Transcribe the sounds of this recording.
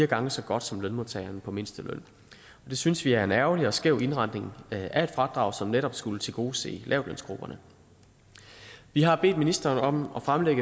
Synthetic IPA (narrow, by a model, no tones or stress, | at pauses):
iːɐɡ̥ɑ̈ŋəsɒ̽ɡ̥ɒ̽d̥sɒ̽mlœnmo̝ðˠt͡sʰɛɪɐnpʰɒ̽me̝nsd̥əløn̰ | ɒ̽d̥e̝synsʋiæɐe̝næɐʊliɒ̽sɡ̥eʊ̰ʔe̝nʁɑ̈nne̝ŋʔæe̝d̥fʁɑ̈d̥ʁɑ̈ʊsɒ̽mneɾɒ̽b̥sɡ̥ulət͡sʰe̝lɡ̥o̝ːse̝̰ːlʔɛ̰ʊ̥lœn̰sɡ̥ʁub̥ɐnə | ʋiɦɑ̈b̥e̝̰ːd̥minisd̥ɐːnɒ̽mɒ̽fʁamleɡ̥